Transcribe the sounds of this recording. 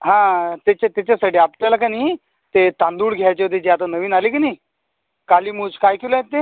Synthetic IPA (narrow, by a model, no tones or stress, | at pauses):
ɦãt̪et͡ɕat̪at͡ɕasaɽiapt̪alakani | t̪et̪ãnd̪uːɽɡʱajt͡ɕet̪ed͡ʑiat̪̬anəʋiːnaliːkaniː | kaliːmuːd͡zkajkʰelajet̪ːe